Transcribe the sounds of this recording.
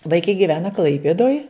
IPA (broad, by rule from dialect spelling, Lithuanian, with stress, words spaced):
ʋɐɪˈkɐɪ ɡʲɪˈʋʲæːnɐ ˈklˠɐɪpʲeːdoːj